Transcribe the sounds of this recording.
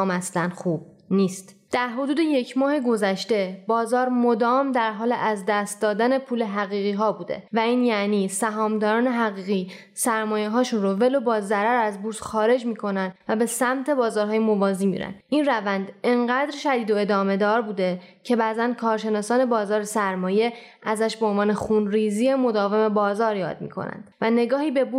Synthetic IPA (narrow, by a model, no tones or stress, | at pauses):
mæslænxuːb̥̚ | niːst̪ | d̪̥æɾɦo̞d̪uːd̪e̞je̞cʰmɒːhe̞ɡo̞zæʃt̪e̞bɒːzɒːɾmo̞d̪ɒːmd̪æɾɦɒːleʔæzd̪æst̪̚d̪ɒːd̪æne̞pʰuːle̞ɦæɣiːɣiːɦɒːbuːd̪e̞̰væiːnjæniːsæɦɒːmd̪ɒːɾɒːne̞ɦæɣiːɣiː | sæɾmɒːjeɦɒːʃunrove̞lo̞bɒːzæɾæɾæzbuɾsxɒːɾe̞d͡ʒmiːkʰo̞nænd̪væbe̞sæmt̪ʰe̞bɒːzɒːɾɦɒːje̞movɒːziːmḭːɾæ̰nd̪ʔinrævænd̪eŋɢæːd̪ɾʃæd̪iːd̪o̞e̞d̪ɒːme̞d̪ɒːɾbuːd̪ecʰe̞bæːzæn̚kʰɒːɾʃe̞nɒːsɒːne̞bɒːzɒːɾesæɾmɒːje̞ | æzæʃbeonvɒːne̞xuːnriːziːemo̞d̪ɒːveme̞bɒːzɒːɾjɒ̰ːd̪̚mḭːkʰo̰næ̰nd̪̥væne̞ɡɒːhiːbe̞bu